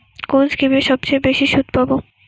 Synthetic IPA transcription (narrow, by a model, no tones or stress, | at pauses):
konskɾimeʃɔb̚t͡ɕejbeʃiʃud̪̚ʱpabo